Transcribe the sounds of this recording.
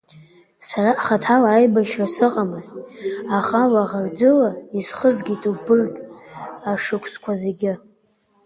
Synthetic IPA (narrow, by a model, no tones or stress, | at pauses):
saraʔχatʰalaːjbaʃasɨqʼamɨztʼaχalaʁard͡zɨlaisχəzɡʲitʼubɨrkʲʼaʂɨkʷʰʼskʷʰazeɡʲɪ